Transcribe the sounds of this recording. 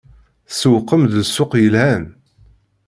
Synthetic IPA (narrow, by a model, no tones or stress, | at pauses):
səwqːəmðəsːʊqjəlhæn